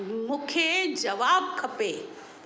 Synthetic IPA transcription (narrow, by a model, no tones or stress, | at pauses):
mukʰed͡ʒɐʋaːb̚kʰɐpe